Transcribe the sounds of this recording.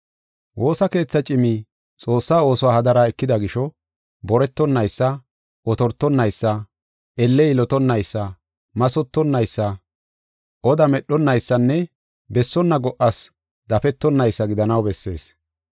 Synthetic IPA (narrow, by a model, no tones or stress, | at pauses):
wʔo̞ːsɐke̞ːt͡sːɐt͡ʃʼɪmi | t͡sʼo̞ːsːaːo̞ːsɔwaːhɐd̪ɐɾaːɛkːɪd̪ɐɡɪʃɔ | bɔɾɛt̪ːɔnːɐjsːɐ | ɔt̪ɔɾt̪ːɔnːɐjsːɐ | ɛlːɛɪlɔt̪ɔnːɐjsːɐ | mɐsɔt̪ːɔnːɐjsːɐ | ʔɔd̪ɐmɛɗɔnːɐjsːɐnːɛ | bɛsːɔnːɐɡɔʔɐs | d̪ɐfɛt̪ːɔnːɐjsːɐɡɪd̪ɐnɐwbɛsːe̞ːs